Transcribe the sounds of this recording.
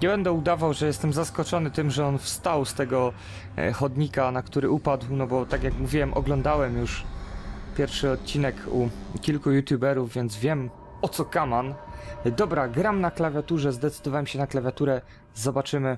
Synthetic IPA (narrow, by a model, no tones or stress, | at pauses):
ɲɛbɛnd̪ɛud̪avawʐɛjɛst̪ɛmzaskɔt͡ʂɔnɘt̪ɘmʐɛɔnfst̪awst̪ɛɡɔ | xɔd̪ɲikanakt̪uɾɘupad̪wnɔbɔt̪akjakmuvʲiwɛmʔɔ̰ɡlɔnd̪awɛmjuʂ | pʲjɛɾfʂɘɔt̪̚t͡ɕinɛkʰukʲilkujut̪ʲjubɛɾuvːʲjɛnd̪zvʲjɛm | ɔt̪sɔkamand̪ɔbɾaɡɾamnaklavʲjat̪uʐɛzd̪ɛt̪sɘ̥d̪ɔvawɛmɕɛnaklavʲjat̪uɾɛ | zɔbat͡ʂɘmɘ